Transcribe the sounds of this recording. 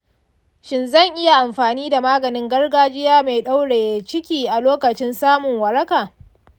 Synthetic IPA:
ʃɪ˨nzɐ˦˨ŋʔɪ˦ja˨ʔa˨mɸaː˨niː˦da˨maː˦ɡɐ˨nɪ˦ŋɡɐ˦rɡaː˦d͡ʒɪ˦jaː˦ma˨jɗa˦wɽeː˨je˨t͡ʃɪ˦kʲiː˨ʔa˨loː˦kɐ˨t͡ʃɪ˦nsaː˦mʊ˨ŋwɐ˨ɾɐ˦kaː˨

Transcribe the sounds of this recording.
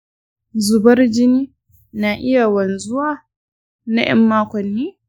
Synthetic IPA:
zʊ˨bɐ˦rd͡ʒɪ˦niː˦ | naː˨ʔɪ˦ja˨wɐ˨nzʊ˦waː˦˨ | na̰˦j̰ɐ̰˦mːaː˦kʷɐ˨nːeː˦

